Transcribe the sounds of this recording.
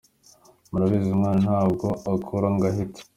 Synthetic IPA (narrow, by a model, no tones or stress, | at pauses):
muɾaβizimŋaːnanhaːbɡoakʰuɾaŋɡaɦite̥